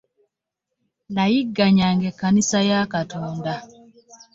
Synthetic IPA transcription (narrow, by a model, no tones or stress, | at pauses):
naiɡːaɲaŋɡɛkanisajakatɔːnda